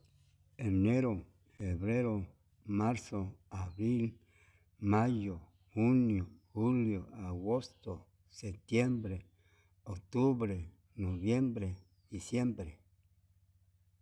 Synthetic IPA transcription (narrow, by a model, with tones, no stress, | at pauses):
e˨ne˦ɾo˨ | fe˨βɾe˦ɾo˨ | ma˦ɾso˨a˨βɾi˦l | ma˦jo˨ | xu˦njo˨xu˦ljo˨a˨ɣo˦st̪o˨ | se˨t̪je˦mbɾe˨ | o˨kt̪u˦βɾe˨ | no˨βje˦mbɾe˨ | d̪i˨sje˦mbɾe˨